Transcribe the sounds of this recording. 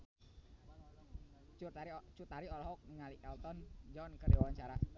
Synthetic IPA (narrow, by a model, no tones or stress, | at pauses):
t͡ʃurt̪aɾit͡ʃurt̪aɾiɔlɔɦɔk̚niŋaliʔɛlt̪ɔnd͡ʒɔnkərdewawaɲt͡ʃaɾa